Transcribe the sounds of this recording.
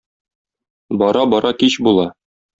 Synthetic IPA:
bɒɾɑbɒɾɑkiɕbulˠɑ

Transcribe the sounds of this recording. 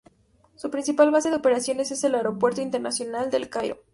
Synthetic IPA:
supɾinsipalβaseðope̞ɾasjo̞ne̞se̞se̞laeɾo̞pwe̞ɾt̪oint̪eɾnasjo̞nald̪e̞lkajɾo̰

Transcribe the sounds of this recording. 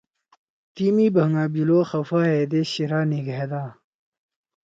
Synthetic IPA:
t̪imiːbɐŋɡaːbiloːxɐfaːɦeːd̪eɕiɾaːniɡed̪aː

